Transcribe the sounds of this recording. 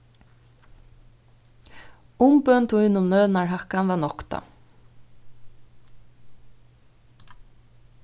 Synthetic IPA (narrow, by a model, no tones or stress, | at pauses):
ʊmpœnt̪ʰujnʊmnœːðnaɹɦahkanvaːnɔkt̪a̰